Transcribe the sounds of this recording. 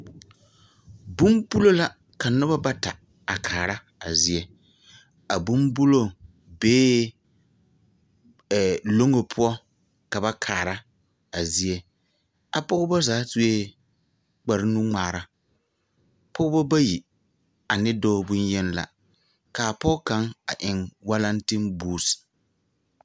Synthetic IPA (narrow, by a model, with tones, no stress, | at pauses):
bu˦mbu˦lo˦la˦ | ka˨nʊ˦ba˦ba˦ta˨ | a˨kʰaː˨ɾa˦ | a˨zi˦ɛ˦ | a˨bu˦mbu˦lo˦ | beː˦˨ | lo˦ŋo˨pʰʊ˦ɔ˦ | ka˨ba˦kʰaː˨ɾa˦ | a˨zi˦ɛ˦ | a˨pʊ˦ɣʊ˦bɔ˦zaː˨˦tu˦e˦ | k͡pa˨ɾɪ˦nu˦ŋ͡maː˨ɾa˦ | pʊ˦bɔ˦ba˦ji˨ | a˨nɪ˦doː˦bʊ˦n˦jɛ˦n˦la̰˨ | kaː˨pɔ˦ka˨˦ŋa˨ʔɪ˨ŋwa˦la˦n˦tɪ˦mbuː˦˨s